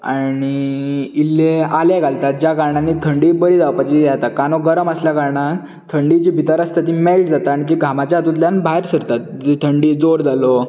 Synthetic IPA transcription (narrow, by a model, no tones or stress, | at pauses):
a̰ɽ̃iilːealeɡʱalt̪at̪̚d͡ʑjakaɾɳanːiːt̪ʰəɳɖiːbəɾid͡zaʋpat͡ɕijat̪akanoɡəɾəməsljakaɾɳa | t̪ʰəɳɖid͡ʑibʱit̪aɾəst̪at̪imelʈd͡zat̪aaɽ̃it̪iɡʱamat͡ɕjaːt̪ut̪ljanbʱaɦeɾsəɾt̪at̪̚ː | it̪ʰəɳɖiːd͡zoɾd͡zʱalo